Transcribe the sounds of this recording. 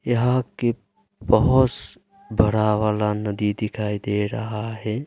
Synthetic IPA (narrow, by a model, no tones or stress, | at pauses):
jəɦãke | bəɦʊs | bʱəɾaʋaːlanəd̪id̪ɪkʰaːid̪eɾəɦaɦɛ